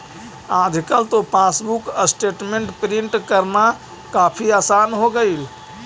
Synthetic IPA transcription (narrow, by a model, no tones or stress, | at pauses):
ad͡ʒʱkəlt̪opʰasbukəsʈeʈmeɳʈpɾiɳʈkəɾna | kapʰiasanɦoɡəjl